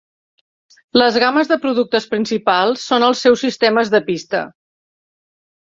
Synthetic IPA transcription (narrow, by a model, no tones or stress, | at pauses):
ləzɣaməzðəpɾuðuk̚t̪əspɾinsipalˠsːonəlˠsɛwsist̪eməzðəpist̪ə̰